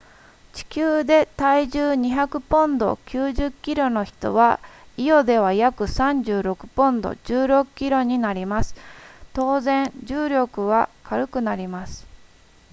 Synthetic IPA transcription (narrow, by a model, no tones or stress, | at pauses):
t͡ɕi̥kʲɨːd̪e̞t̪aiʑɨːɲ̟içakɯ̟põ̞nd̪o̞̰kʲɨːʑɨkʲːiɾo̞no̞çi̥t̪o̞̰βa | ijo̞d̪e̞β̞ajakɯ̟sãɲd͡ʑɨːɾo̞kɯ̟̥põ̞nd̪o̞̰d͡ʑɨːɾo̞kɯ̥kʲːiɾo̞ɲ̟inaɾʲimasɨ̥t̪o̞ːzẽ̞ɲd͡ʑɨːɾʲo̞kɯ̟β̞akaɾɯ̟kɯ̟naɾʲimasɨ̥